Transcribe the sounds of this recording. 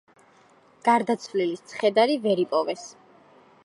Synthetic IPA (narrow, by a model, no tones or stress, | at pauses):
ɡ̥aɾd̪at̪sʰvlilist̪sʰχɛd̪aɾivɛɾipʼɔvɛs